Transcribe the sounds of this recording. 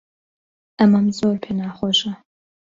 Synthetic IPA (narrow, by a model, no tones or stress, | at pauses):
ʔɐmɐmzoːrpʰeːnaːχɔʃɐ